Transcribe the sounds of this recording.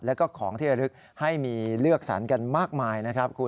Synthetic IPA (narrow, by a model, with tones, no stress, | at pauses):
lɛː˦˥wkɔː˥˩kʰɔː˩˦ŋt̪ʰi˥˩t͡ɕa˧˩ɾɯ˦˥k̚ | ha˥˩jmiː˧lɯ˥˩ək̚sa̰˩˦nka˧nmaː˥˩k̚maː˧jna˦˥kʰɾa˦˥p̚kʰu˧